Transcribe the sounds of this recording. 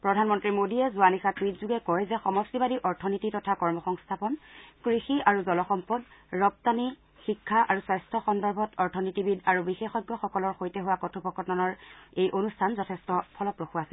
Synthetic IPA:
pɹɔdʱanmɔntɹimodiɛzuanixatɹitzuɡɛkɔɹɛzɛxɔmɔstibadiʔɔɹtʰɔnititɔtʰakɔɹmɔxɔŋstʰapɔnkɹixiaɹuzɔlɔxɔmpɔdɹɔp̚tani | xikʰːaʔaɹuswajstʰɔxɔndɔɹbʱɔtɔɹtʰɔnitibidaɹubixexɔjɡːɔxɔkɔlɔɹxojtɛɦʊwakɔtʰupɔkɔtɔnɔɹejʔonustʰanzɔtʰɛstɔpʰɔlɔpɹoxuasil

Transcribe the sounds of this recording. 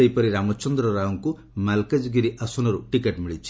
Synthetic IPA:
eipɔɾiɾamɔt͡ʃɔnd̪ɾɔɾauŋku | malked͡ʒɡiɾiʔɐsunɔɾuʈikeʈmiɭit͡ʃʰi

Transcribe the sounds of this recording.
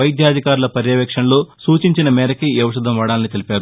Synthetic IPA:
ʋɐjid̪ʱjaːd̪ʱikaːɾulɐpɐɾjɐːʋɛkʂɐnloːsuːt͡ʃiɲt͡ʃinɐmɛːɾɐkiɐʋɐʃɐd̪ʱɐmʋɐːɽaːlnit̪e̞lipaːɾu

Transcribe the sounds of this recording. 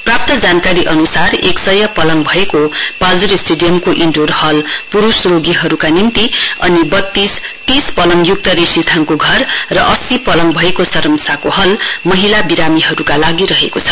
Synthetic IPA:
prap̚t̪ʌd͡zankaɾiʔʌnusareksʌjʌpʌlʌŋbʱʌekopad͡zuɾisʈeɖijʌmkoʔiɳɖorhʌlpuɾusroɡiɦʌɾukanint̪iʌ̰nibʌt̪ːist̪ispʌlʌŋjuk̚t̪ʌɾisit̪ʰaŋkoɡʱʌrːʌʔʌsipʌlʌŋbʱʌekosʌɾʌmsakohʌlmʌɦilabiɾamiɦʌɾukalaɡiɾʌɦekot͡sʰʌ̥

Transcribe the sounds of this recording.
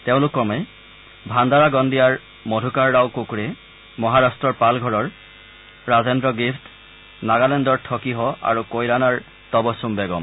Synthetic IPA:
teʊ̃lʊkɔmɛ | bʱand̪aɹaɡɔndijaɹ | mɔdʱukaɹːawkukuɹɛ | mɔɦaɹastɹɔɹpalɡʱɔɹɔɹ | ɹazendɹɔɡift | naɡalendɔɹtʰɔkiɦɔa̰ɹukojɹanaɹ | t̪ɔbɔsumbɛɡɔm

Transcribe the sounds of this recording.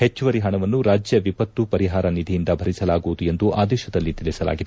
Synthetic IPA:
het͡ʃːuʋɐɾiɦɐɳɐʋɐnːuɾaːd͡ʒjɐʋipɐt̪ːupɐɾiɦaːɾɐnid̪ʱijind̪ɐbʱɐɾisɐlaːɡuʋud̪ue̞nd̪uʔaːd̪ɛːʃɐd̪ɐlːit̪ilisɐla̰ːɡid̪

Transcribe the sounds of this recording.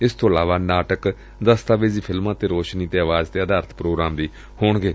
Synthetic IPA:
ɪst̪ʰõːəlaːʋaːnaːʈək | d̪əst̪aːʋeːziːpʰɪlmãːt̪eːɾoːʃniːt̪eːəʋaːzt̪eːəd̪aːɾt̪ʰpɾoːɡɾaːmd̪iː | hoːɳɡeː

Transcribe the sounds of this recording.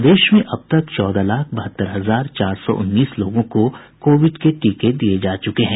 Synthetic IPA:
d̪eːʃmẽʔɐb̚t̪ɐkt͡ʃɔːd̪alaːkʰbɐɦət̪ːəɾɦɐzaːɾt͡ʃaːɾsɔ̰ʔʊ̰nːiːsloːɡõko | koːʋɪɖkeʈiːked̪ijed͡ʒaːt͡ʃʊkeɦɛ̃ː

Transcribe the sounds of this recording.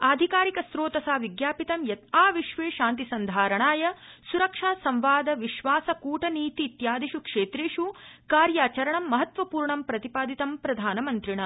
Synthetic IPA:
aːd̪ʱikaːɾikɐsɾoːt̪ɐsaːʋiɡjaːpit̪ɐmjɐt̪aːʋiʃʋeːʃãːnt̪isɐnd̪ʱaːɾɐɳaːjɐsuɾɐkʂaːsɐmʋaːd̪ɐʋiʃʋaːsɐkuːʈɐniːt̪iːt̪jaːd̪ʱiʃukʂeːt̪ɾeːʂukaːɾjaːt͡ʃɐɾɐɳɐmːɐɦɐt̪ʋɐpuːɾɳɐmpɾɐt̪ipaːd̪ʱit̪ɐmpɾɐd̪ʱaːnɐmɐnt̪ɾiɳɐ

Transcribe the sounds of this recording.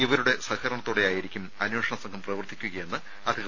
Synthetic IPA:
iʋɐɾuɽe̞sɐhɐɾɐɳɐt̪ːoːɽe̞jaːjiɾikʲːumɐnweːʂɐɳɐsɐŋɡʰʱɐmprɐʋɐrt̪ʰikʲːuɣɐje̞nːɨ | ɐd̪ʱiɣɐ

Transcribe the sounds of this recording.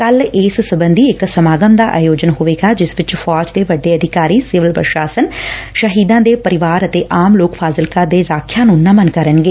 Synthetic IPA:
kəlɪːssəbənd̪iːɪksəmaːɡəmd̪aːʔa̰ːjoːd͡ʒənɦoʋeːɡaːd͡ʒɪsʋɪt͡ʃfʰɔːd͡ʒd̪eːʋəɖːeːəd̪ʱɪkaːɾiːsɪʋəlpə̰ɾʃaːsənʃəɦiːd̪ãːd̪eːpəɾɪʋaːɾət̪eːʔaːmloːkpʰaːzɪlkãːd̪eːɾaːkʰjaːnũːnəmənkəɾənɡeː

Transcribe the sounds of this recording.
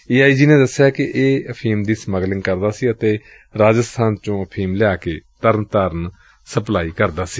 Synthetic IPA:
iːaːiːd͡ʒiːnẽːd̪əsːjaːkɪʔeːəpʰiːmd̪iːsməɡlɪŋɡkəɾd̪aːsiːət̪eː | ɾaːd͡ʒəst̪ʰaːnt͡ʃõːəpʰiːmlɪaːkeːt̪əɾnt̪aːɾən | səplaːiːkəɾd̪aːsiː

